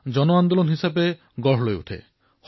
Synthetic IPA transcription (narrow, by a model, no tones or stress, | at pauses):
d͡ʒɔnoand̪olonɦisabe | ɡɔɦloeṵt̪ʰḛ | h